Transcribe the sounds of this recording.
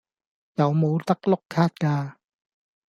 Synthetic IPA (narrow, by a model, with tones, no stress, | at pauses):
jɐ˨wmo˨˧wt̪ɐ˥k̚lʊ˥kʰːaː˥t̚kaː˧